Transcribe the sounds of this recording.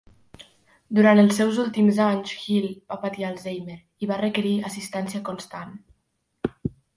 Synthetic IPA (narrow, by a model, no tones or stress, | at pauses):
d̪uɾant̪əlˠsːɛwzulˠt̪imzaɲzxilˠb̥apət̪ialˠzejmeɾ | iβarəkəɾiəsist̪ɛnsiəkunst̪an